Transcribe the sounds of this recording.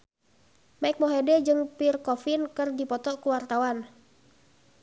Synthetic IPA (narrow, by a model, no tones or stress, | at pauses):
maik̚mɔɦedɛd͡ʒɨŋpirkɔfinkɨrdipɔt̪ɔkuwart̪awan